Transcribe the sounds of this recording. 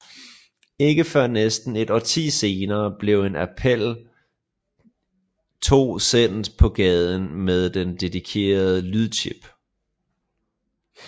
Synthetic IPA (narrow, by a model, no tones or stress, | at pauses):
e̝ɡ̥əfɶɐnesd̥n̩e̝d̥ɒt͡sʰḭːse̝ːnɐːb̥le̝ʊe̝næpʰel̰ | t͡sʰo̝̰ːsen̰d̥pʰɒ̽ɡ̥ɛːð̞ˠən̩með̞ˠd̥end̥e̝ðikʰe̝̰ːɐð̞ˠəlyðˠt͡ɕʰib̥